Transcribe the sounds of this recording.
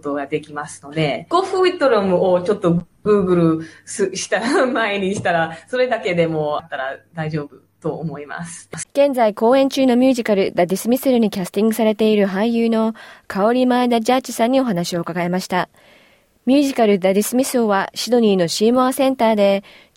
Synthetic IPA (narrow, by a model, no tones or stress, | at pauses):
t̪o̞ɡad̪e̞kʲimasɨ̥no̞d̪e̞ɡ̥o̞ɸɯit̪ːoɾomɯ̟ot͡ɕo̞t̪ːo̞ | ɡɯ̟ːɡɯ̟ɾɯ̟sɨɕi̥t̪aɾamaeɲ̟iɕi̥t̪aɾaso̞ɾe̞d̪ake̞d̪e̞mo̞t̪ːaɾad̪aiʑo̞ːbɯ̟t̪o̞ːmo̞ima̰sɨ̥ɡ̥ẽ̞nd͡zaiko̞ːẽ̞ɲ̟t͡ɕɨːno̞mʲjɨːʑikaɾɯ̟d̪adʲisɨmʲisɨɾɯ̟ɲ̟ikʲasɨ̥t̪ʲĩŋɡɯ̟saɾe̞t̪e̞iɾɯ̟ɦãĩjɯːno̞kʰao̞ɾʲimaed̪aʑat͡ɕi̥sãɲ̟ːio̞ɦanaɕio̞kaɡae̞maɕi̥t̪a | mʲɨːʑikaɾɯ̟d̪adʲisɨmʲisoβaɕid̪o̞ɲ̟iːno̞ɕiːmoasẽ̞nt̪aːd̪e̞